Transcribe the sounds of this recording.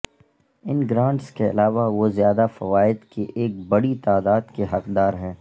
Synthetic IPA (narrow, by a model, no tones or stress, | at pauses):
ɪnɡɾãːɳʈskeɐ̰laːʋaʋozjaːd̪afɐʋaːɪd̪keʔeːk̚bɐɽit̪aːd̪aːd̪keɦɐqd̪aːɾɦɛː